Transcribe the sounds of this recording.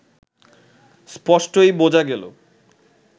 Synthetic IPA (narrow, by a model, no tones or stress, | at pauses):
spɔʃʈojbod͡ʑaɡɛlo̰